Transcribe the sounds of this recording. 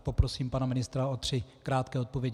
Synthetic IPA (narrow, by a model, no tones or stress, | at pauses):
po̞pɾo̞siːmpanamɪnɪst̪ɾaot̪r̥ɪkɾaːt̪kɛːot̪̚po̞vjɛɟ